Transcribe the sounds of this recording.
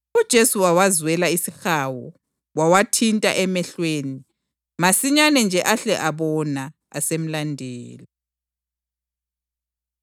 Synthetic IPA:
ud̥ʒ̥ʱesuwawazwɛlaisixawɔ̰ | wawatʰintʼa̰ʔɛmɛɬweːni | masiɲanɛnd͡ʒʱɛʔaɬɛʔaβɔna | a̰sem̩landʱɛ̰ːli

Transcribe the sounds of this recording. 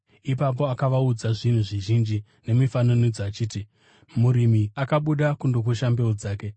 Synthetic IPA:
ipap̬o̞akaʋaud͡zaʐin̤uʐiʒind͡ʒi | ne̞mifanonid͡zoat͡ʃiːti | muɾimiakaɓuɗakundok̬uʃambe̞od͡zaːke̞

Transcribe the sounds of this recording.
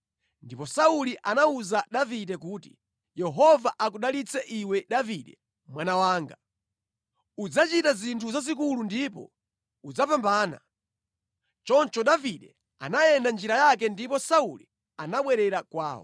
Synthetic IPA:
ndipɔsauliʔanauzaɗaviɗɛkuti̥̰ | jɛɦɔvaʔak̬uɗalit͡sɛʔiwɛɗaviɗɛ | mwanawaːŋɡa | ud͡zat͡ʃitazintʰuzazik̬ulundipɔ̰ | ud͡zapambaːna̰ | t͡ʃɔnt͡ʃɔɗaviɗɛ | a̰najɛndand͡ʒiɾajakɛndipɔsaṵli | anaɓwɛɾɛɾakwaːwɔ̰

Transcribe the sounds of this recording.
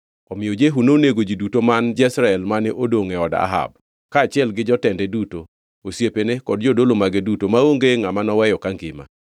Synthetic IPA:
ɔmɪjod͡ʒeɦunoneɡod͡ʒidutomand͡ʒɛsɾaɛlmanɪʔodoŋɛɔda̰ɦa̰b̚ | kaːt͡ʃɪɛlɡɪd͡ʒɔtɛndɛduto | osjepenekɔd̚d͡ʒodolomaɡedutomaoŋɡeŋamanɔwɛjɔkaŋɡɪma̰

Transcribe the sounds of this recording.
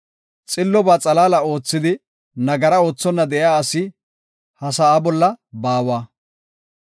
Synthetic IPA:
t͡sʼɪlːɔbaːt͡sʼɐlaːlɐo̞ːt͡sːɪd̪ɪ | nɐɡɐɾɐo̞ːt͡sːɔnːɐd̪ɛʔjaːɐsɪ | hɐsaːbɔlːɐbaːwaː

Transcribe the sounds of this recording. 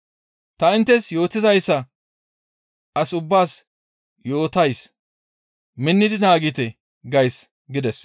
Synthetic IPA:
t̪ɐɪnt̪ːɛsjo̞ːt̪ɪzɐjsːɐ | ɐsʊbːaːs | jo̞ːt̪ɐjs | mɪnːɪd̪ɪnaːɡɪt̪ɛ | ɡɐjs | ɡɪd̪ɛs

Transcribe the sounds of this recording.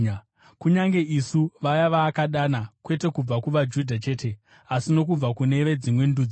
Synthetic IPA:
kuɲaŋɡe̞ʔisuʋajaʋaːkaɗaːnakwe̞te̞kub͡vakuʋad͡ʒudʱat͡ʃe̞ːte | asino̞k̬ub͡vakune̞ʋe̞d͡zimwe̞ndud͡zi

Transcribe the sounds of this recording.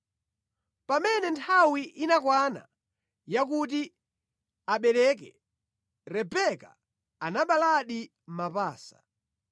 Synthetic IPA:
pamɛnɛntʰawiʔinakwana̰ | jak̬ut̬i | aɓɛlɛk̬ɛ̰ | ɾɛpɛka | anaɓalaɗi | m̩mapaːsḁ

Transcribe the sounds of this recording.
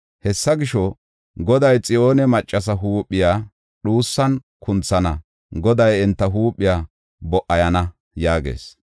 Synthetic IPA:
hɛsːɐɡɪʃɔ | ɡɔd̪ɐjt͡sʼɪjoːnɛmɐt͡ʃʼːɐs̬ɐɦuːpʼːɪjaː | ɗuːsːɐn | kʰʊnt͡sːɐnɐ | ɡɔd̪ɐjɪnt̪ːɐɦuːpʼːɪjaː | bɔʔɐjɐnɐ | jaːɡḛːs

